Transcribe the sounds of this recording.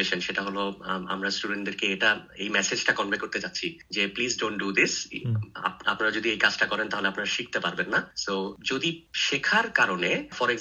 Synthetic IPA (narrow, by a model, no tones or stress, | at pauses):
eʃenʃeʈaɦoloa̰mɾasʈuɖeɳʈd̪eɾkeeʈaḛjmɛsed͡ʑʈakɔnmekoɾt̪et͡ɕatːɕʰid͡ʑeplizɖonʈɖud̪isa̰pa̰pnaɾad͡ʑod̪iejkad͡ʑʈakɔɾent̪aɦoleapnaɾaʃik̚ʰt̪epaɾbenːasod͡ʑod̪iʃekʰaɾkaɾonefɔɾoek